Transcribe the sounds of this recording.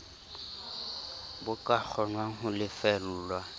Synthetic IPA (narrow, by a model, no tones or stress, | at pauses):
bʊkʼak͡xʰɔnwaŋ̩ɦʊlɪfɛl̩ːlwa